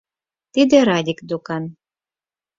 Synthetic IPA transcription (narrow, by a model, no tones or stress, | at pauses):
t̪id̪ĕɾɑdʲikd̪okɑn